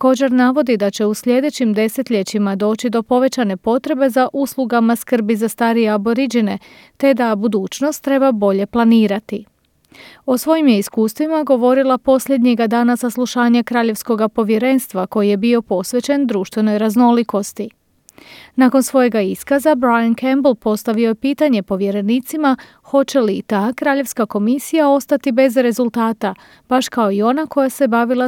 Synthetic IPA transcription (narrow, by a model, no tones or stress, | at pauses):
t̪ako̞ːd͡ʑe̞ɾnaʋo̞d̪id̪at͡ɕe̞usʎʲe̞d̪e̞t͡ɕimd̪e̞se̞t̪ʎʲe̞t͡ɕimad̪o̞ːt͡ɕid̪o̞po̞ʋe̞t͡ɕane̞po̞t̪ɾe̞be̞zaʔusluɡamaskr̩bizast̪aɾijeabo̞ɾid͡ʑine̞ | t̪e̞d̪abud̪uːt͡ʃno̞st̪ːɾe̞babo̞ʎe̞plˠaniːɾat̪i | o̞sʋo̞jimjeiskuːst̪ʋimaɡo̞ʋo̞ɾilˠapo̞sʎe̞d̪ɲeɡad̪aːnasaslˠuʃaːɲakɾaːʎe̞ʋsko̞ɡapo̞ʋje̞ɾe̞ːnst̪ʋako̞jije̞bio̞po̞sʋe̞t͡ɕe̞nd̪ɾuːʃt̪ʋe̞no̞jɾazno̞liko̞st̪i | naːko̞nsʋo̞je̞ɡaiskazabɾajankʰembl̩ˠpo̞st̪aʋio̞jepiːt̪aɲe̞po̞ʋje̞ɾe̞niːt̪sima | xo̞t͡ɕe̞lit̪aːkɾaːʎe̞ʋskako̞misijao̞st̪at̪ibe̞zɾe̞zulˠt̪aːt̪a | b̥aʃkao̞io̞nako̞jase̞baʋilˠa